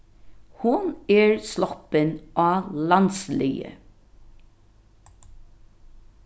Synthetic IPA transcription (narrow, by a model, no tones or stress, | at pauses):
hʊnɛːɹslɔpənʔɑːlɑnslɪjə̰